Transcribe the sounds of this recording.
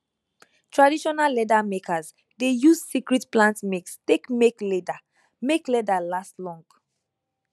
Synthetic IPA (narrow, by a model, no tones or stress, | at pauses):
tʰɹadiʃɔnalːɛdamekʰaz | dejuzsikɹitplãntmekstekmeklɛda | meklɛdalastlɔ̃ŋɡ